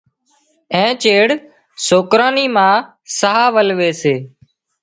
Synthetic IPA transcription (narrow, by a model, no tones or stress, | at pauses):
ẽːt͡ʃeːɽ | soːkɾaːniːmãː | saɦaːʋəlʋeːseː